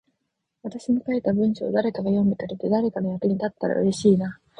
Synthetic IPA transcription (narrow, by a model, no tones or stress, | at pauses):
βat̪aɕiɲikaet̪ːabɯ̟̃ɰ̃ɕo̰ːd̪aɾe̞kaɡajõ̞nd̪et̪aɾet̪e̞d̪aɾe̞kano̞jakɯ̟ɲ̟it̪at̪ːaɾa̰ɯ̟ɾe̞ɕiːna